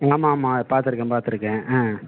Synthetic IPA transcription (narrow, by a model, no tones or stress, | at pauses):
aaːmaːmːaːpaːɾt̪ɪɾɯkːɛ̃paːɾt̪ɪɾɯkːɛ̃ːʔãː